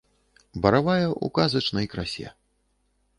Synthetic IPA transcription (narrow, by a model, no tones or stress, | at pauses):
bɐɾavajɛʔṵkazɐt͡ʂnɐjkɾasʲɛ̰